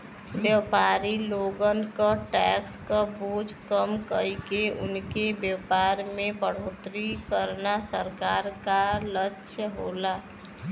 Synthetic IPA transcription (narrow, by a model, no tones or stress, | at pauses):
bjəpaɾiloɡənkəʈɛkskəbod͡ʒʱkəmkəikeʊ̰nkebjəpaɾmẽbəɽ̤ot̪ɾikəɾnasəɾkaɾkalətːʃʰjəɦola